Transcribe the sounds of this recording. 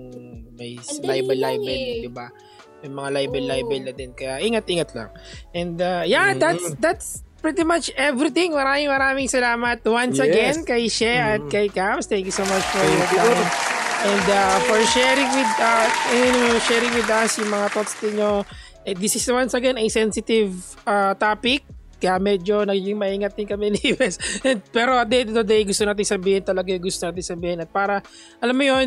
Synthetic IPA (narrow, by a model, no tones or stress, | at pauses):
mɐjlajbɛlːajbɛld̪ɪba | jʊŋmɐŋalajbɛlːajbɛlnɐd̪ɛnkɐjaʔiŋat̪ʔiŋat̪lɐ̰ŋʔɛ̃nd̪ajad̪at̪d̪at̪spɹit̪imat͡ʃɛvɾit̪ɪ̃ŋmɐɾaːmɪŋmɐɾaːmɪŋsɐlaːmɐt̪̚wansɐɡɛnnkɐjʃɛʔɐt̪̚kɐjkamst̪ɛ̃ŋkjusowmat͡ʃfɔɹiat̪lanʔɛ̃nd̪afɔɹʃɛɾɪŋwɪd̪ɐnʃɛːɾɪŋwɪd̪ɐsjʊŋmɐŋat̪ot̪st̪ɪɲo | ʔɛd̪ɪsɪswɐnsɐɡɛnɐjsɛnsɪt̪ɪv | at̪aːpɪk̚ː | ɐjamɛd͡ʒo̞nɐɡɡɪŋmɐʔiŋɐt̪̚ːɪnkɐmɛnibɛsʔɛnd̪̚pɛɾo̞ɐd̪ejt̪ɐvd̪ɐd̪ɛjɡʊst̪onaːt̪̬ɪnsɐbiːhɪnt̪ɐlɐɡajɡʊst̪onaːt̪ɪnsɐbiːhɪnɐt̪̚paːɾɐ | ʔɐlamːojon